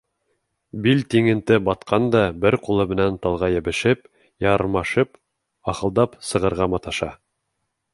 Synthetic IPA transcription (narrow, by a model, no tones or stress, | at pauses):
bilt̪iŋɘ̆nt̪ɘbɑt̪qʰɑnd̪ɑbɘɾqulˠɤmɘ̆nænt̪ɑlˠʁɑjɘ̆bɘ̆ʃɘp̚ | jɑɾmɑʃɤp | ɑχɤ̆lˠd̪ɑpsɤ̆ʁɤ̆ɾʁɑmɑt̪ɑʃɑ